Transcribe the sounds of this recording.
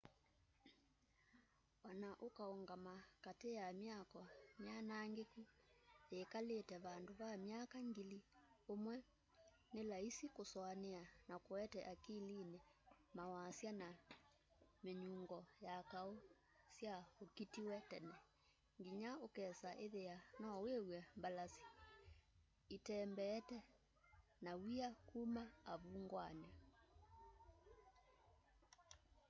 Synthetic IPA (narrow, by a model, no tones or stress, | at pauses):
ɔnaʔokaoŋɡamakatejamjakɔmjanaŋɡekuekaletɛβandoβamjakaŋɡiliomwɛ | nelaisikosɔaneanakoɛtɛʔakilinemawasjana | meɲuŋɡɔjakao | sjaokitiwɛtɛnɛ | ŋɡiɲaokɛsaʔeðeanɔwewɛmbalasi̥ | itɛmbɛːtɛ | nawiakumaaβuŋɡwanɛ